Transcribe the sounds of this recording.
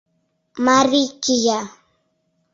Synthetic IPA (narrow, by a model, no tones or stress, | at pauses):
maɾɪjkɪja